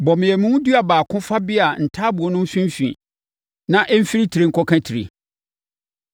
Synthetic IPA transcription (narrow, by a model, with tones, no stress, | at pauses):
bɔ˨mɪ̃˨jɛ˨mʊ̃˦wʊ̃˦du˦a˨baː˨kʰʊ̃˦fa˦bɪ˦a˨n̩˨tʰaː˦bʊ˨ɔ˨nʊ̃˦m̩˦sĩ˦m˦fḭ̃˨ | nã˦ʔɛ˦m̩˦fi˦ɾi˦tʰi˨ɾe˦ŋ̩˦kʰɔ˦kʰã˦tʰi˨ɾḛ˨